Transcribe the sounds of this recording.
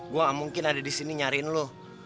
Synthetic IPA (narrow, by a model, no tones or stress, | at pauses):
ɡuamuŋkɪnadadisiniɲaɾinlo